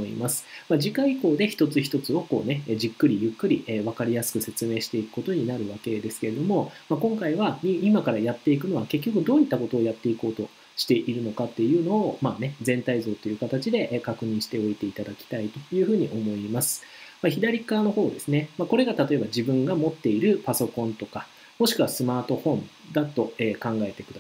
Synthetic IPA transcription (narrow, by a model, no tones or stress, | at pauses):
oḭmasɨ̥mad͡ʑikaiko̞ːd̪e̞çi̥t̪o̞t͡sɨçi̥t̪o̞t͡sɨo̞ko̞̰ːne̞ʑikːɯ̟ɾʲijɯ̟kːɯ̟ɾʲiʔeβ̞akaɾʲijasɨ̥kɯ̟se̞t͡sɨme̞ːɕi̥t̪e̞ikɯ̟̥ko̞t̪o̞ɲ̟inaɾɯ̟βake̞d̪e̞sɨ̥ke̞ɾe̞d̪o̞mo̞makõ̞ŋkaiβaiimakaɾajat̪ːe̞ikɯ̟no̞βake̞k̬ʲːo̞kɯ̟d̪o̞ːit̪ːako̞t̪o̞ːjat̪ːe̞iko̞ːt̪o̞ | ɕi̥t̪e̞ʔiɾɯ̟no̞kat̪ːe̞jɯ̟ːno̞ːmaːne̞d͡zẽ̞nt̪aizo̞ːt̪ːo̞jɯ̟ːkat̪at͡ɕid̪e̞ʔkakɯ̟ɲ̟ĩɰ̃ɕi̥t̪e̞o̞it̪e̞it̪ad̪akʲi̥t̪ait̪o̞jɯ̟ːɸɯ̟ːɲ̟iʔo̞mo̞imasɨ̥maçid̪aɾʲikaːno̞ho̞ːd̪e̞sɨne̞mako̞ɾe̞ɡat̪at̪o̞e̞bad͡ʑibɯ̟̃ŋɡamo̞t̪ːe̞iɾɯ̟paso̞kõ̞nt̪o̞ka | mo̞ɕi̥kɯ̟βasɨmaːt̪o̞hõ̞n | d̪at̪ːo̞eːkãŋɡae̞t̪e̞kɯd̪a